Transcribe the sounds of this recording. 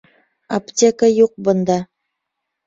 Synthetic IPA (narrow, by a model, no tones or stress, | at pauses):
optʲekajuq̚bɤ̆nd̪ɑ